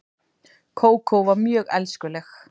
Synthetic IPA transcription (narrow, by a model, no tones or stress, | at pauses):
kʰoːwkʰowvaɾmjœːɣɛlskʏlɛx